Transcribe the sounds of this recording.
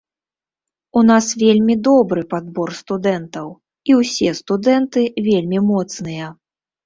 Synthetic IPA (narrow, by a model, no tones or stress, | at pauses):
un̪asvʲelʲmʲid̪ɔbɾɨpad̪̚bɔrst̪ud̪ɛnt̪ɐw | iwsʲɛst̪ud̪ɛnt̪ɨvʲelʲmʲimɔt̪snɨjɐ